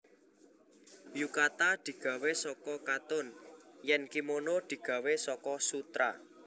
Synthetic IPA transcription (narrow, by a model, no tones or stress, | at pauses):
jukat̪ad̪̥i̤ɡ̥a̤wesɔkɔkat̪ʊnjɛnkimonod̪̥i̤ɡ̥ä̤wesɔkɔsut̪ɾa̰